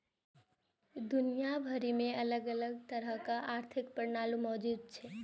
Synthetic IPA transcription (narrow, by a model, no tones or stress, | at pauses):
d̪unijabʱəɾimeələɡələɡt̪əɾəɦkaʔaɾt̪ʰik̚pəɾnalumɔd͡ʒud̪̚t͡ʃʰɛ